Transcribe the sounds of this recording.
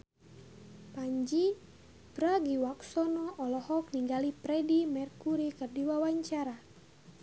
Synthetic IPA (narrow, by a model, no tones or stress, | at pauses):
paɲd͡ʒi | bɾaɡiwaksɔnɔʔɔlɔhɔkniŋɡalipɾɛdimɛrkuɾikərdiwawaɲt͡ʃaɾa